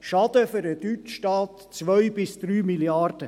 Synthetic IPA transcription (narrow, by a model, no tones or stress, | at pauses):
ʃɑd̥̪əfʏɾədyt͡ʃʃtɑːt | t͡sʋœjbɪsd̪̥ɾyːmiljɑɾd̥ə